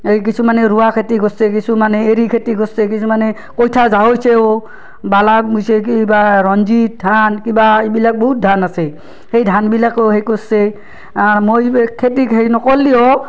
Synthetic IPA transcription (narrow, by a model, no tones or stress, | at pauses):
ejk̬isʰumanɛɾuwakʰetiɡɔsek̬isumanɛeɾikʰetiɡɔsɛkisʰumanɛ | kojtʰazaɦojseo | balabujsekiebaɹɔnzit̚dʱankibaebilak̚bɔɦut̚dʱanasɛ | xejdʱanbilakoɦejkose | aɹmojkʰet̬ikɦejnɔkɔlːio